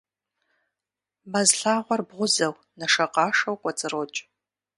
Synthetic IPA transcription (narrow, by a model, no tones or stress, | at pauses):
bɐzɬaːʁʷɔrbʁʷʊzɐw | nɐʂɐqʼɑːʂɐwkʷʼɐt͡sʼɨrot͡ʃʼ